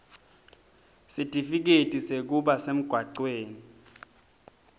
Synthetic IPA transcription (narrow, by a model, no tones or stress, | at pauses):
sitʼifik̬etʼisek̬uɓasem̩ɡ̥ʱwaǀweːni